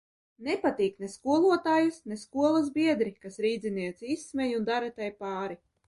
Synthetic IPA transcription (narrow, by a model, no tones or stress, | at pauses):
nepat̪iːkneskuɔlˠuɔt̪aːjusneskuɔlˠazbʲiɛd̪ɾikasɾiːd̪ziniɛt̪sʲisːmɛjund̪aɾat̪ajpaːɾi